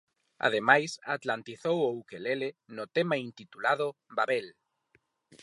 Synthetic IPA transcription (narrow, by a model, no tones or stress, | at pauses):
a̰ðemajsa̰t̪lant̪iθowoukelelenʊt̪emaint̪it̪ulaðʊbaβel